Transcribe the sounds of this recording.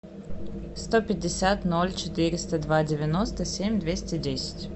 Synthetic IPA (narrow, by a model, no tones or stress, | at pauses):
st̪opʲɪdʲɪsʲat̪nolʲt͡ɕɪt̪ɨɾʲɪst̪əd̪vadʲɪvʲɪnost̪əsʲemʲd̪vʲesʲtʲɪdʲesʲɪ̥tʲ